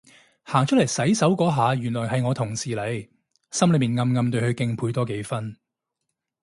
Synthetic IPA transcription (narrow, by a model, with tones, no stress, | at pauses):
haː˨˩ŋt͡ʃʰɵ˥tlɐ˨˩jsɐ˨˥jsɐ˨˥wkɔː˨˥ɦaː˨˧jyː˨˩nlɔː˨˩jɦɐ˨jŋɔː˨˧t̪ʰʊ˨˩ŋsiː˨le˨˧j | sɐ˥mlɵ˨˧˥miː˨˩nŋɐ˧mŋɐ˧mt̪ɵ˧ɥhɵ˨˧ɥkɪ˧ŋpʰuː˧jt̪ɔː˥ke˨˧˥jfɐ˥n